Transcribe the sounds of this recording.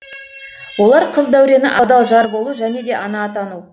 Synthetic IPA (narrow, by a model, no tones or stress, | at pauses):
wo̞lˠɑɾqʰəzd̪æwɾe̞nɪ̰ʔɑd̪ɑlˠʒɑɾbo̞lˠuʒæne̞d̪e̞ʔɑnɑːt̪ɑnu